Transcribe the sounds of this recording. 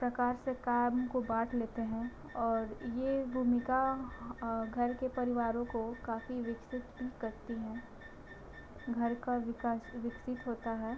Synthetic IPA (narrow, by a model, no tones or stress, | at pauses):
pɾɐkaːɾsekaːmkobaːʈʰleːt̪eɦɛ̃ | ɔːɾjebʱuːmɪka | ɡʱɐɾkepɐɾɪʋaːɾõkokaːfiʋɪksɪt̪bʱikɐɾt̪iɦɛ̃ː | ɡʱɐɾkaʋɪkasʋɪksɪt̪ɦoːt̪aɦɛː